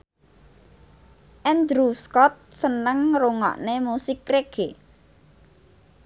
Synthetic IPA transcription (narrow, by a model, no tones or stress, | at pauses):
ʔɛnd̪ɾuskɔt̪̚sənəŋruŋɔ̰ʔnemusɪkreɡ̥e